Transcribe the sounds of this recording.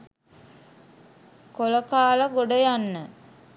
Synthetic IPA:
koləkaːləɡoɖəjanːə

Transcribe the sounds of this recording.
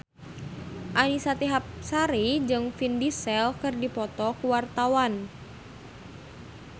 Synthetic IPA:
ʔanisat̪iɦap̚saɾid͡ʒɨŋfindisɛlkɨrdipɔt̪ɔkuwart̪awan

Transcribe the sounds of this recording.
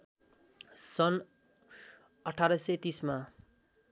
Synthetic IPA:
sʌn | ʌʈʰaɾʌsʌt̪isma

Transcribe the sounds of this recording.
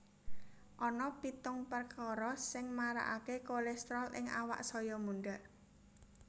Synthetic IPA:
ʔɔnɔpit̪ʊŋpərkɔɾɔsɪŋmaɾa̰ʔakekolɛst̪ɾɔlɪ̰ŋa̰wa̰ʔsɔjɔmuɳɖaʔ

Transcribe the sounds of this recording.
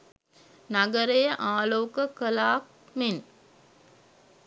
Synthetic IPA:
naɡəɾəjəʔaːloːkəkəlaːk̚ | men

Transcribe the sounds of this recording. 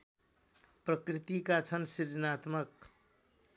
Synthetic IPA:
pɾəkɾit̪ikat͡sʰʌnsiɾd͡zənat̪mək̚

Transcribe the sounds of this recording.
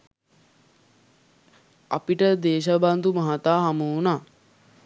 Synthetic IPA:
a̰piʈəd̪eːʃ̬aband̪umaɦat̪aːɦamunaː

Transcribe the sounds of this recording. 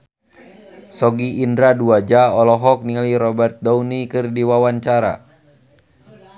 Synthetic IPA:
sɔɡiːndɾaduad͡ʒaɔlɔɦɔk̚niŋaliɾɔbɛrt̪̚dɔunikɨrdiwawaɲt͡ʃaɾa̰

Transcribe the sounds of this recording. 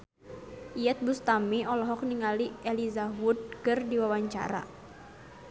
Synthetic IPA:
ʔijɛt̪̚bust̪amiɔlɔɦɔk̚niŋaliɛlizaɦud̚kɨrdiwawaɲt͡ʃa̰ɾa̰

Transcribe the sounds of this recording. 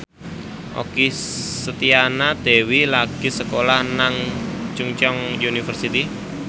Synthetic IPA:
ʔo̰kisət̪ianad̪̥e̤wilaɡ̥i̤səkolahnaŋt͡ʃuŋt͡ʃɔŋjunifərsit̪i

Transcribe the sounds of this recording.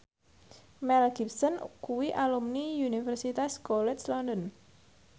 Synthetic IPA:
mɛlɡip̚sɔnkuwiʔalumniunifɛrsit̪askɔlɛtslɔndɔn

